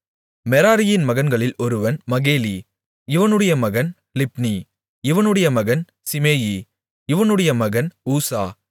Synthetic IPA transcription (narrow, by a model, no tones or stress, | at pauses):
mɛɾaːɾɪjɪnmɐɣɐnɡɐɭɪlɔɾɯʋɐnmɐɣeːli | ɪʋɐnɯɽɐjɐmɐɣɐn | lɪp̚ni | ɪʋɐnɯɽɐjɐmɐɣɐn | sɪmeːji | ɪʋɐnɯɽɐjɐmɐɣɐnuːsaː